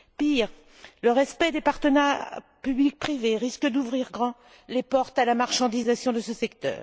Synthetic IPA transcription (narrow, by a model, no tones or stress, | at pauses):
piʁ | ləʁɛspɛd̪epaʁt̪ənɛ | pyblik̚pχiveʁiskəd̪uvʁiʁɡʁɑ̃ | lepɔʁt̪alamaʁʃɑ̃d̪izasjɔ̃d̪əsəsɛkt̪œ̰ːʁ